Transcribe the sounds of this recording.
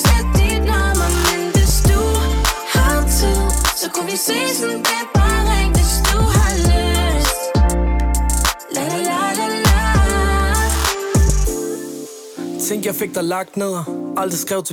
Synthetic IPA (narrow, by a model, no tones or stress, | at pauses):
sɛdidnɔmɐmenʋesd̥u | hat͡sʰisɒkʰuʋiseːsndæb̥ɑʁɛŋʋesd̥uhaløsd̥ | lɛadela | t͡sʰeŋ̰ɡ̥jɑ̈ɪfeɡ̥̚d̥ɑ̈lɑ̈ɡ̥̚d̥neð̰ˠɐɑl̰d̥ʁisɡ̥ʁɛʊt͡sʰ